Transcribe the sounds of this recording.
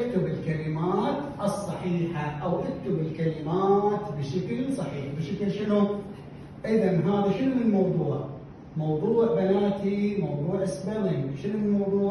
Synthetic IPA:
ʔɪk̚t̪ʊbɪlkalɪmaːt̪ʔɨsˤːɑħiːħaʔawʔɪk̚t̪ʊbɪlkalɪmaːt̪bɪʃakɪlsˤɑħiːħbɪʃaklʃɪnu | ʔʔɪðɑnɦaːðaʃɪnmɪnnmɑwðˤuːʕ | mɑwðˤuːʕbanaːt̪imɑwðˤuːʕʔɪsbalɪʃɪnmɪnmɑwðˤuːʕ

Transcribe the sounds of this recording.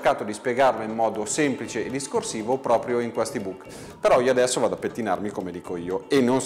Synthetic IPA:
kaːt̪od̪ispjeɡarloimːɔːd̪osemplit͡ʃeːd̪iskorsiːvopɾɔːpɾjoiŋkwɛst̪ibukː | peɾɔioad̪ɛsːovad̪apːet̪ːina̰rmikomed̪iːkoiːoenːon

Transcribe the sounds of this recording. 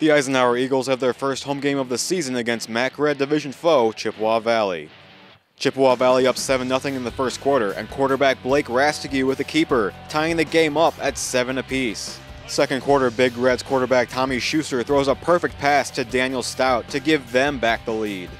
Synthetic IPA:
ðiaɪzɨ̃naʊə˞iɡl̩ˠz̥ɨvðə˞fɜ˞st̚hõʊ̃mɡẽɪ̃mʌvðɨsizɨ̃nɨɡɛ̃nst̚mækɹɛdɨvɪʒɨ̃n̩foʊt͡ʃʰɪpwɔvælˠḭ | t͡ʃʰɪpwɑvælˠiʌpsɛvɨ̃nːʌθɪ̃ŋɨ̃nðɨfɜ˞stkʰw̥ɔɹɾə˞ʔɨ̰̃nkʰw̥ɔɹɾə˞bæk̚b̥leɪkɹæstɨɡjʉwɨðɨkʰipə˞tʰaɪɪ̃ŋðɨɡẽɪ̃mʌpɨtsɛvɨ̃nɨpʰis | sɛkɨ̃nkʰw̥ɔɹɾə˞bɪɡɹɛdz̥kʰwɔɹɾə˞bæk̚tʰɑmiʃʉstə˞θɹoʊzəpʰɜ˞fɨk̚pʰæstʰɨdæ̃njl̩ˠstaʊtʰɨɡɪvðɨ̃mbæk̚ðəlid̥

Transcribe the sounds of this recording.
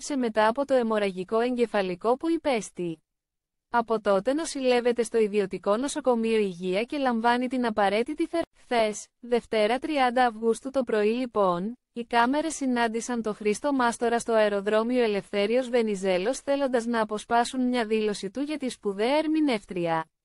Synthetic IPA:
se̞me̞t̪ɐːpo̞t̪o̞e̞mo̞ɾɐʝiko̞e̞ɲɟe̞fɐliko̞puipe̞st̪i | ɐpo̞t̪o̞t̪e̞no̞sile̞ve̞t̪e̞st̪o̞iðio̞t̪iko̞no̞so̞ko̞mio̞iʝiɐce̞lɐɱvɐnit̪inɐpɐɾe̞t̪it̪iθe̞ɾkθe̞sðe̞ft̪e̞ɾɐt̪ɾiɐnd̪ɐːfɣust̪ut̪o̞pɾo̞ilipo̞n | ikɐme̞ɾe̞sːinɐnd̪isɐnt̪o̞xɾist̪o̞mɐst̪o̞ɾɐst̪o̞ɐeɾo̞ðɾo̞mioe̞le̞fθe̞ɾio̞zve̞nize̞lo̞sθe̞lo̞nd̪ɐznɐːpo̞spɐsunmɲɐðilo̞sit̪uʝɐt̪ispuðe̞ɐeɾmine̞ft̪ɾiɐ

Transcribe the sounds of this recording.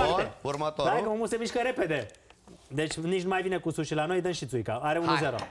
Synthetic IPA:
aeurmət̪oɾaekəməmusemiʃkəɾe̞pe̞d̪e̞d̪e̞t͡ʃʲnit͡ʃnumajvine̞kusuʃilano̞jd̪ənʃit̪sujkaaɾeunuzeɾo̰

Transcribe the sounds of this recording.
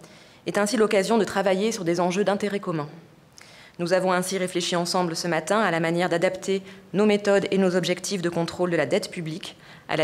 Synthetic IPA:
ɛt̪ɛ̃silɔkazjɔ̃d̪ət̪χavajesyʁd̪ezɑ̃ʒød̪ɛ̃t̪eʁɛkɔmɛ̃ | nuzavɔ̃ɛ̃siʁefleʃiɑ̃sɑ̃blsəmat̪ɛ̃alamanjɛʁd̪ad̪apt̪ʰenomet̪ɔd̪enozɔbʒɛkt̪ʰifd̪əkɔ̃t̪χold̪əlad̪ɛt̪pyblik | a̰la

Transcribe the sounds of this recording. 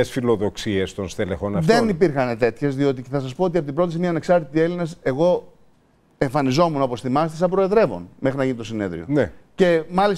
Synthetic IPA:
esfilo̞ðo̞ksie̞st̪o̞nst̪ele̞xonɐðe̞nipiɾxɐne̞t̪e̞t̪çe̞zðio̞t̪iceθɐs̬ɐspoot̪iɐpot̪ibɾoisimiɐneksɐɾt̪it̪ie̞linese̞ɣo̞ | e̞ɱfɐnizo̞munopo̞sθimɐst̪isɐpɾo̞e̞ðɾe̞vo̞̰nme̞xɾinɐʝinit̪o̞sineðɾio̞̰nece̞mɐlis

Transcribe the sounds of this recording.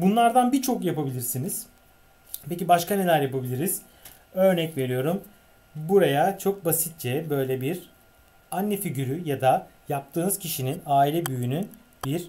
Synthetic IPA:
bunlˠaɾd̪anbit͡ʃʰo̞kjapabilʲiɾsiniz̥ | pʰe̞cibaʃkane̞lʲæɾjapabilʲiɾiz̥ | ø̞ɾnɛcve̞ɾijo̞ɾum | buɾajat͡ʃʰo̞k̚basit̪̚t͡ʃɛbø̞jlʲɛbiɾ | anːɛfiɟyɾyjad̪ajap̚t̪ʰɯːnɯz̥cʰiʃininaːilʲɛbyjynyn | biɾ

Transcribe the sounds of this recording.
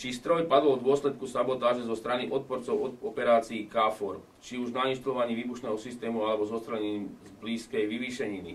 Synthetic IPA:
t͡ʃist̪ɾɔjpad̪lɔd̪ʊɔslɛt̪̚kusabɔt̪aːʒɛzɔst̪ɾaniʔɔt̪̚pɔɾt͡sɔʊɔɔpɛɾaːt͡siːkaːfɔɾk | t͡ʃiuʒnainʃt̪alɔʋaɲiʋiːbuʃnɛːɦɔsist̪ɛːmualɛbɔzɔst̪ɾɛlɲiːmzbliːskɛjʋiʋiːʃɛɲinḭ

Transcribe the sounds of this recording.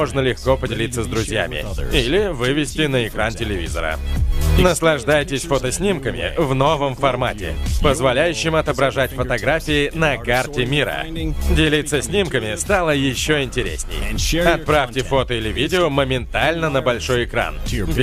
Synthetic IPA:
oʐnəlʲɪxkopədʲɪlʲit̪səzd̪ɾʊzʲja̰mʲɪ̰ilʲɪvɨvʲɪsʲtʲɪnəɪkɾantʲɪlʲɪvʲizə̰ɾə̰nəslˠɐʐd̪ajtʲɪsʲfot̪əsʲnʲimkəmʲɪ̰vno̞vəmfɐrmatʲɪ̰pəzvɐlʲæjʉɕːɪmɐt̪əbɾɐʐatʲfət̪ɐɡɾafʲɪɪnɐkartʲɪmʲiɾə̰dʲɪlʲit̪sːəsʲnʲimkəmʲɪst̪alˠəjɪɕːoɪnʲtʲɪɾʲḛsʲnʲɪ̰jɐt̪̚pɾafʲtʲɪfo̞t̪əɪlʲɪvʲidʲɪoməmʲɪnt̪alʲnənəbɐlʲʂo̞jɪkɾa̰n

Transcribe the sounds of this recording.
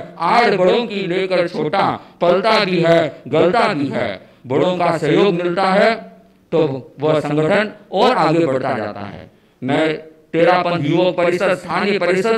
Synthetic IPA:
aːd͡ʒbɐɽõkileːkəɾt͡ʃʰoːʈapɐlt̪abʱiɦɛɡɐlt̪abʱiɦɛ̰ː | bəɽõkasəjoːɡmɪlt̪aɦɛ | t̪oʋɐsə̃ŋɡəʈʰənɔːɾaːɡebɐɽ̤t̪a̰d͡ʒa̰ːt̪a̰ɦɛ̰ː | mɛ̃ːt̪eːɽapɐ̃nt̪juʋəkpɐɾɪsəd̪st̪ʰaːnjək̚pəɐɾɪsəd̪̚

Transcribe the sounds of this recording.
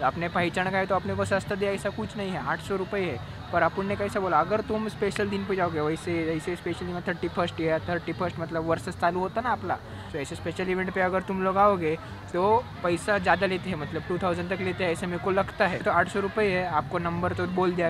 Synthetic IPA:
ɐpnepaɪt͡ʃəɳ̃kaɦet̪oɐpnekosəst̪ʰd̪eəjsakut͡ʃʰnaɦĩɦɛaːʈʰsoɾupəjɦɛ | pəɾɐpəɳːekajsaboːlaːɡəɾt̪umspeʃəld̪inped͡ʒaoɡeʋəjseəjsespeʃəld̪imət̪ʰəɾʈifʰəɾsʈjeat̪ʰəɾʈifʰəɾsʈmɐt̪ləbʋəɾsəst͡saluɦot̪anaːpla̰ | soəjsespeʃəliʋẽɳʈpeɐɡəɾt̪umloːɡaoɡe | t̪opɐjsad͡ʒjad̪alet̪eɦɛmɐt̪ləbʈuːt̪ʰawzəɳʈt̪ɐklet̪eɦɛəjsemekolɐɡt̪aɦɛt̪oaːʈʰsoɾupəeɦɛaːp̚konɐmbəɾt̪oboːld̪a

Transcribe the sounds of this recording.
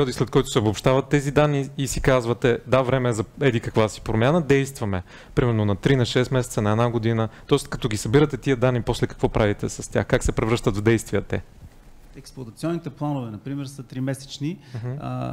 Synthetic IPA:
pɛɾiɔd̪islɛt̪kɔjt̪ʊ̥sɛbopʃt̪avɐt̪ːɛzid̪anːiːsikazvət̪ɛd̪avɾɛmɛzɐɛd̪ikɐkvasi̥pɾomʲjanəd̪ɛjst̪vɐmɛ | pɾimɛɾnonɐt̪ɾinɐʃɛst̪mɛsɛt̪sənɐɛd̪naɡod̪inət̪ɔɛst̪kɐt̪ɔɡʲisɐbiɾət̪ɛt̪iəd̪anːiposlɛkɐ̥kvɔpɾʔavit̪ɛsɐst̪ʲja̰xkaksɛpɾɛvɾɤʃt̪ət̪vd̪ɛjst̪vijət̪ɛ̰ | ɛksplˠot̪ɐt̪siɔnːit̪ɛplˠanovɛnɐpɾimɛɾsət̪ɾimɛsɛ̥t͡ʃnim̩ɦ

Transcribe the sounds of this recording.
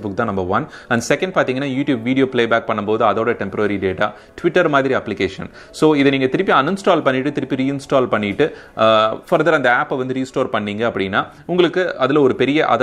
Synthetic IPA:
bʊk̚t̪ãːnɐmbɐʋɐnɐɳɖsɛkːɐ̃ɳɖ̚paːɾt̪iːŋɡɐnːaːjuːʈjuːbʋiːɽɪjoːbpleːbaːk̚pɐɳːɐmpoːðɯɐðoːɽɐʈɛmpɐɾɐɾiɖeːʈaː | ʈʋɪʈːɐɾmaːðɪɾiɐpːlɪkeːʂɐ̰n | soːɪðɛniːŋɡɐt̪ɪɾɯpːiɐnɯnsʈaːlpɐɳːɪʈːɯt̪ɪɾɪpːiɾiːɪnsʈaːlpɐɳːɪʈːɯ | fɐɾðɐɾɐnd̪ɐaːpːɛʋɐnd̪ɯɾiːsʈoːɾpɐɳːiːŋɡɐɐpːɐɽɪnːaː | ʊŋɡɐɭɯkːɯɐðɪlɐɔɾɯpɛɾɪjɐʔɐ̰ð

